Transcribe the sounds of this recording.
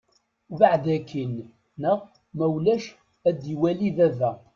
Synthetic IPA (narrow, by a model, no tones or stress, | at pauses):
vaʕd̪ækːinː | əʁ | mæwlæʃ | æd̪iwæliðævæ